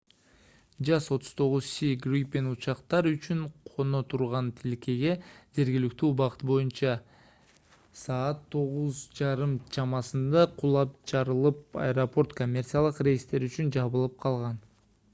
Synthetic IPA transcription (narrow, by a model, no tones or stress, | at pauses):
d͡ʒɑso̞t̪ʰʊ̥z̥t̪ʰo̞ʁʊzsʲiɡripbe̞nut͡ʃɑqt̪ɑɾyt͡ʃyɴqʰo̞no̞t̪ʰuɾʁɑnt̪ʰilke̞ɡe̞d͡ʒe̞ɾɡʲilyk̚t̪ybɑqɯ̥t̪̚bo̞junt͡ʃɑ | sɑːt̪ʰːo̞ʁuzd͡ʒɑɾɯmt͡ʃʰɑmɑsɯnd̪ɑqʰulˠɑp̚t͡ʃɑɾɯlˠɯp̚ɑ̰jɾopo̞rt̪ko̞mʲːert̪sijalˠɯqrʲe̞jist̪e̞ɾyt͡ʃynd͡ʒɑβɯlˠɯp̚qʰɑlˠʁɑn